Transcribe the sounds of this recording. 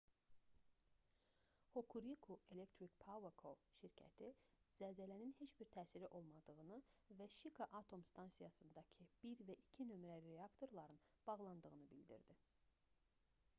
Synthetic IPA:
hokʰuɾikʰue̞lekt̪ʰɾikpʰavekʰoʃiɾcʰæ̰t̪ʰiz̥æzælæninhe̞t͡ʃbiɾt̪ʰæːsiɾiʔo̞lˠmɑd̪ɯɣɯnɯvæʃikʰɑʔɑt̪ʰo̞mst̪ʰɑnsijɑsɯnd̪ɑcʰɯb̥iɾvæʔicʰinø̞mɾælɾeɑkt̪ʰo̞ɾlˠɑɾɯnb̥ɑɣlˠɑnd̪ɯɣɯnɯbild̪ḭɾd̪i

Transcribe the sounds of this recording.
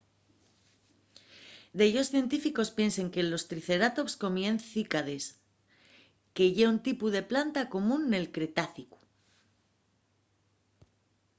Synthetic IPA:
d̪eʝo̞sθje̞nt̪ifiko̞spje̞nse̞ŋke̞lo̞st̪ɾiθe̞ɾat̪o̞psko̞mjenθikaðe̞s | ke̞ʝe̞unt̪ipuðe̞plant̪ako̞mũnːe̞lkɾe̞t̪aθiku̥

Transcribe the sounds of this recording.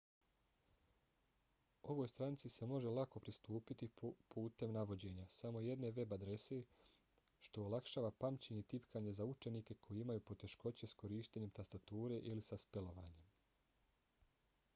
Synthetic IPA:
o̞ʋo̞ːjst̪ɾant̪sise̞mo̞ʒe̞lako̞pɾist̪uːpit̪ipuːt̪e̞mnaʋo̞d͡ʑe̞ːɲasamo̞je̞d̪ne̞ʋe̞bad̪ɾe̞se | ʃt̪o̞olˠakʃaːʋapamt͡ɕeɲet̪ipkʰaːɲe̞zaut͡ʃe̞nike̞kʰo̞jeimajuːpo̞t̪e̞ʃko̞t͡ɕe̞sko̞ɾiːʃt̪eɲe̞mt̪ast̪at̪uːɾe̞ʔilisaspe̞lo̞ʋa̰ːɲe̞m

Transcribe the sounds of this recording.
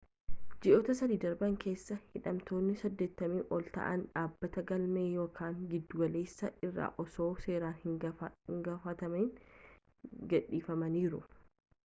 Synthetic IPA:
d͡ʒɪʔoːt̪ɐsɐd̪iːd̪ɐɾbɐŋkʰe̞ːsːɐhɪᶑɐmt̪o̞ːnːɪsɐd̪ːe̞ːt̪ːɐmiːʔɔlt̪ɐ̰ʔɐ̰nᶑaːbːɐt̪ɐɡɐlme̞ːjo̞ːkʰaːŋɡɪd̪ːʊɡɐle̞ːsːɐɪrːa̰ːʔɔso̞ːse̞ːɾaːnhɪŋɡɐfɐt̪ɐmɛn | ɡɐᶑːiːfɐmɐniːɾʊ̰

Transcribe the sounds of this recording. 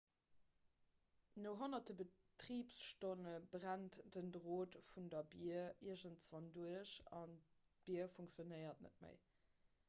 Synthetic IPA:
noʊɦonɐt̚əbə | tʁiːpsʃtonəbʁæntd̥əndʁoːtfundɐbiːɐiɐʒəntsvɑnduəɕɑ̰nb̥iɐfuŋkt͡sjonəɪɐtnə̰t̚mə̰ɪ

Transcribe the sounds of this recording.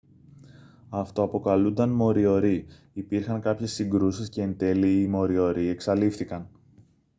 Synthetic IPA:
ɐft̪o̞ɐpo̞kɐlund̪ɐnmo̞ɾio̞ɾi | ipiɾxɐŋkɐpçe̞sːiŋɡɾusisce̞ːnd̪e̞liːmo̞ɾio̞ɾie̞ksɐlifθikɐn

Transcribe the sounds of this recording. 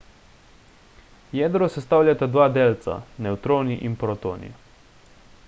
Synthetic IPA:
jɛd̪ɾɔsɛst̪aːwlʲjat̪ad̪ʋaːd̪eːlt̪sa̰nɛwt̪ɾoːniʔinpɾɔt̪oːnḭ

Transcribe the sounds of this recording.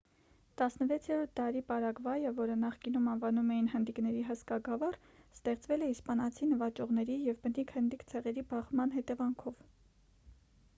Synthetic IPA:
t̪ɑsnəvɛt͡sʰjɛɾɔɾt̪̚ʰd̪ɑɾipɑɾɑɡvɑjəvɔɾənɑχkinumɑnvɑnumɛjinɦənd̪iknɛɾiɦəskɑɡɑvɑr | st̪ɛχt͡svɛlɛispɑnɑt͡sʰinəvɑt͡ʃɔʁnɛɾijɛvbənikʰhənd̪ikt͡sʰɛʁɛɾibɑχmɑn̪ɦɛt̪ɛvɑŋkʰɔv

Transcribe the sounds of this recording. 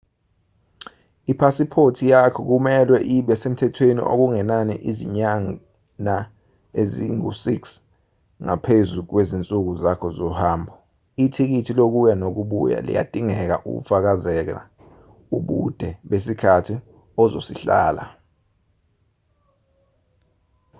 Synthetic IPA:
ipʰasipʰotʰijakʰɔk̬umɛlwɛʔiɓjasem̩tʰɛtʰwenḭʔo̰k̬uŋɛnaniʔizḭɲaŋ | na | eziŋusiks | ŋapʰezuk̬wezint͡sʼuk̬uzakʰɔzɔhaːmbʱɔ | itʰik̬itʰilok̬ujanok̬uɓṵja̰lḭja̰d̥ʱiŋɛk̬a̰ʔṵk̬ṵfak̬azɛk̬a̰ | uɓṵd̥ʱɛɓes̬ikʰatʰi | ɔzo̰siɬa̰ːla̰

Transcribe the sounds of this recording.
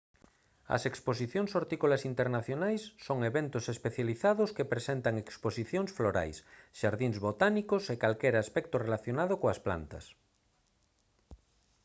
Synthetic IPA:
ɐ̰sekspos̬iθjoŋsoɾt̪ikolasint̪eɾnaθjonajsːoŋeβent̪osespeθjaliθaðoskepɾesent̪aŋeksposiθjoŋsfloɾa̰jsʃaɾðiŋzβot̪anikosekalkeɾaspɛk̚t̪orelaθjonaðokoaspla̰nt̪ɐ̰s

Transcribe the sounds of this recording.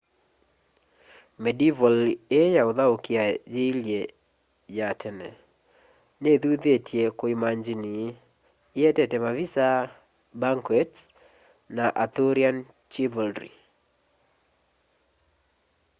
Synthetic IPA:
mɛdivɔlejaoðaokiajeilje | jatɛnɛ | neðuðetʰjekoimaɲd͡ʒini | ɪɛtɛtɛmavisa | baŋkwɛt | naʔat̪oɾian | t͡ʃivɔldɾḭ

